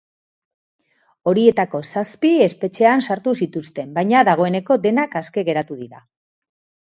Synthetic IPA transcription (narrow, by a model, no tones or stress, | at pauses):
o̞ɾie̞t̪ako̞saspie̞spe̞t͡ʃe̞ansaɾt̪usit̪ust̪e̞mbajɲaðaɣ̞o̞e̞ne̞ko̞d̪e̞nakaske̞ɣ̞e̞ɾat̪uðiɾa